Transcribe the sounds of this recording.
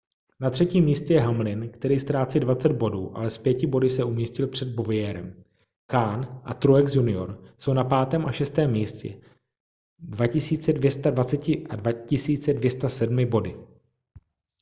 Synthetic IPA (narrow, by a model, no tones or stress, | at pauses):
nat̪r̥ɛciːmːiːscɛjɛɦamlɪnkt̪ɛɾiːst̪ɾaːt͡sidvat͡sɛd̪̚bo̞duːʔa̰lɛspjɛcɪbo̞dɪsɛumiːscɪlpr̝̥ɛd̪̚bovɪjɛːɾɛ̰m | kaːnʔa̰t̪ɾuɛksjunɪo̞̰ɾso̞wnapaːt̪ɛːmʔaʃɛst̪ɛːmːiːscɛ̰ | dvacɪsiːt͡sɛdvjɛst̪advat͡sɛcɪʔadvacɪsiːt͡sɛdvjɛst̪asɛdmɪbo̞dɪ